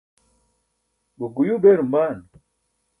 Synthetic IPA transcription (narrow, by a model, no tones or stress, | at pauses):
buɡujubeɾumbaːn